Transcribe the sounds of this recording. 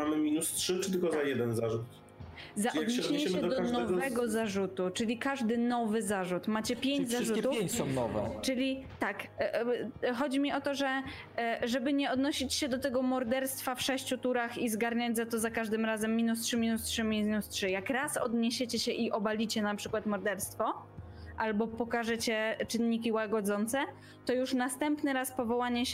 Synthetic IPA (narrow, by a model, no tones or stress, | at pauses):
amɘmʲinustʂɘt͡ʂɘt̪ɘlkɔzajɛd̪ɛnzaʐut̪ | zaʔjɔak̪ɕɛddɲɛmɛd̪ɔd̪ɔkanɔɛvɛɡɔzaʐut̪ut͡ʂɘlʲikaʐd̪ɘnɔvɘzaʐut̪mat͡ɕɛpʲjeɲd͡ʑzaʐutt̪uɲsɔnɔvɛ̰t͡ʂɘlʲit̪ak | xɔd͡ʑimʲiʔɔt̪ɔʐɛ | ʐɛbɘɲɛɔd̪nɔɕit͡ɕɕɛd̪ɔt̪ɛɡɔmɔɾd̪ɛɾst̪fafʂɛɕt͡ɕut̪uɾaxizɡaɾɲad͡ʑzat̪ɔzakaʐd̪ɘmɾazɛmːʲinustʂɘmʲinustʂɘmʲiznustʂɘjakɾasɔ̰d̪ɲeɕet͡ɕɛɕɛʔiʔɔbalʲit͡ɕɛnapʂɘkwat̪mɔɾd̪ɛɾst̪fɔ | ʔalbɔpɔkaʐɛt͡ɕɛt͡ʂɘnːikʲiwaɡɔd̪zɔnt̪sɛ | t̪ɔjuʂnast̪ɛmpnɘɾaspɔvɔwaɲɛ